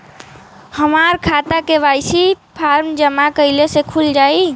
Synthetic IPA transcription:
həmaɾkʰat̪akeβajsʰipʰaɾmd͡ʒəmakəɪlesekʰuld͡ʒaj

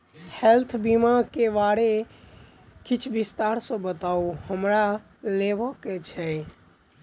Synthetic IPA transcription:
helt̪ʰbimakeʋaɽe | kit͡ʃʰbist̪aɾsə̃bət̪auhəmɾa | lebəket͡ʃʰɛ

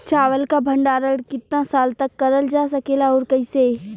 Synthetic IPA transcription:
t͡ʃaːʋəlkabʱə̃ɳɖaːɾəɽkɪt̪nãsaːlt̪ɐkːɐɾəld͡ʒaːs̬ɐkeːlaoːɾkəiseː

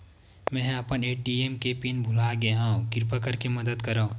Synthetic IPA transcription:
mɛ̃ːɐpəneːʈiemkepinbʱʊlaɡeɦãkɪɾpakəɾkemɐd̪əd̪kɐɾã

